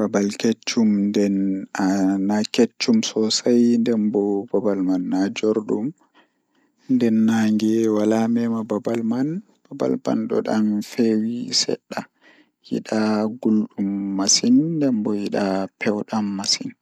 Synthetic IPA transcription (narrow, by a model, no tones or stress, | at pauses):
b̥abalket͡ʃːumndɛnanaket͡ʃːumsɔsajndɛmbɔbabalmanːad͡ʒoɾɗum | ndɛnːaŋɡɛwalamɛmababalman | b̥aba̰lba̰nɗɔ̰ɗa̰nfewisɛ̰ɗːa | jḭɗaɡulɗumːasinːdɛmbɔjiɗapʰɛwɗamːasin